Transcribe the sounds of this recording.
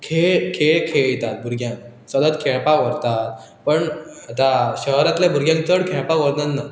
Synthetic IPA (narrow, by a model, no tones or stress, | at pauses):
kʰeɭkʰeɭkʰeɭt̪at̪̚bʱuɾɡjãŋk | səd̪əd̪kʰeɭpaʋəɾt̪at̪̚ | pəɳat̪aɕəɦɾat̪lebʱuɾɡjãŋkt̪əɽkʰeɭpaʋəɾnanna